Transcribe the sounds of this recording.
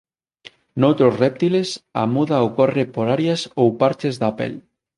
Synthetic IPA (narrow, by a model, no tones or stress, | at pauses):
nowt̪ɾosrep̚t̪ilesa̰muðaokorepoɾaɾjasowpaɾt͡ʃezðapḛl